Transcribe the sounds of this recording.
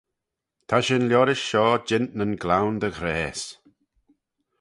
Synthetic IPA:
t̪ʰaʃɪnljɔːɾɪʃʃɔːd͡ʒɪntnənɡlawnd̪əɣɾeːs

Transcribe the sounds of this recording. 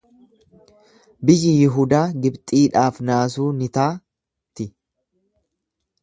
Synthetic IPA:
bɪjɪjɪɦʊːd̪aːɡɪbt̪ʼiːᶑaːfnaːs̬uːnɪt̪aː | t̪ɪ

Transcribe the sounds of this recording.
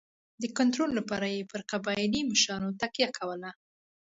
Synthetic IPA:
d̪əkant̪ɾolːapɑɾajepəɾqabɑiliməʃɾɑnot̪akjakʰawəla

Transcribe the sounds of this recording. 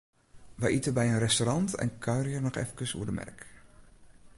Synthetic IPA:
ʋəjʔitəbɛjənrɛstoɾɑntɛ̰nkʰœɥriərnɔχɛ̰fəkəsṵədəmɛ̰rk

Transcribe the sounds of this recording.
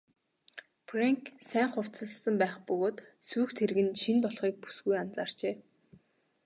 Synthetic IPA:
preŋksæːŋχʊw̥t͡sə̆sə̆mpæːχpɵɣoːt̪suːxt̪ʰerɣɘ̆nʃinpɔɮχiːk̚pu̥sɡujant͡saːr̥t͡ɕeː

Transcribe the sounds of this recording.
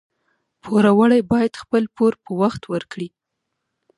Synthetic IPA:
pʰoɾawəɽajbɑjad̪̥xpəlpoɾpəwaxt̪wəɾkɽi

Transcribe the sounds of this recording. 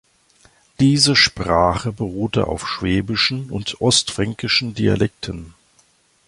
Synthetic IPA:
d̥iːzəʃpʁ̥aːχəbəʁuːtə̰ʔa̰ʊfʃv̥ɛːbɪʃn̩ʊntʔɔstfʁ̥ɛŋkɪʃn̩dia̰lɛk̚tʰən̩

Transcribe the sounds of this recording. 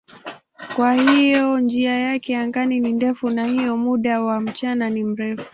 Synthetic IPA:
kwahijɔnd͡ʒiajakɛjaŋɡaninindɛfunahijɔmuɗawam̩t͡ʃananim̩ɾɛfu̥

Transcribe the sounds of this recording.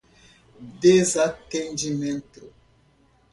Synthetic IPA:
d̪ezat̪ẽnd͡ʒimẽnt̪ʊ

